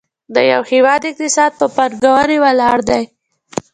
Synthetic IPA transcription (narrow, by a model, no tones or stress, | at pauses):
d̪əja̰whɪwɑd̪ɪq̚t̪ɪsɑd̪̚pəpaɾɡawaɾewalɑɾd̪aj